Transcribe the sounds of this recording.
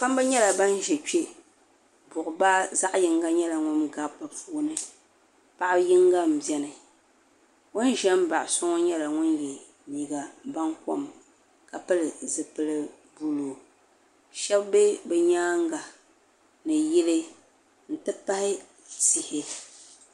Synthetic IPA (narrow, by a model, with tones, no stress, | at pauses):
pa˦m˦ba˦ɲɛ˦la˨ba˦n˦ʒɛ˨t͡ʃe˦ | bʊ˨ʔʊ˨baː˦za˦ʔjɪ˨ŋɡa˦ɲɛ˦la˨ŋʊ˦nɡa˨pɨ˨puː˦nɨ˨ | pa˦ʔjɪ˦ŋɡa˦m̩˨bjɛ˦nɨ˨ | ŋʊ˦n˦ʒɛ˦m˦ba˨ʔsʊ˦ŋɔ˦ɲɛ˦la˨ŋʊ˦njɛ˨ | niː˨ɡa˨ba˦nko˦m | ka˨pɨ˦lɨ˨zɨ˨pɨ˦lɨ˦ | bu˦lo˨ | ʃɛ˦bbe˦bɨ˨ɲaː˦ŋɡa˨ | nɨ˨ji˦lɨ˦ | n̩˨tɨ˦pa˦hɪ˦ | si˨hɪ˦